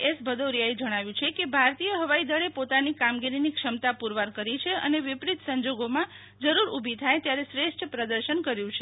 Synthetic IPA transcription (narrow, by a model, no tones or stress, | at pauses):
esbʱəd̪oɾjaed͡ʒəɽ̃aʋjũt͡ʃʰekebʱaɾt̪ijəɦəʋaid̪əɭepot̪anikamɡiɾinikʃəmt̪apuɾʋaɾkəɾit͡ʃʰeə̰neʋɪpɾit̪səɲd͡ʒoɡomã | d͡ʒəɾuɾubʱit̪ʰajt̪jaɾesɾeʃʈʰəpɾəd̪əɾʃənkəɾjũt͡ʃʰe